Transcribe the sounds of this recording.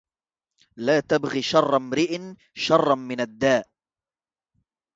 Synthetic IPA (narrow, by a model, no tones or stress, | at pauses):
laːt̪abɣiʃɑrˤːmɾɪʔɪn | ʃɑrˤːɑmɪnad̪ːaːʔ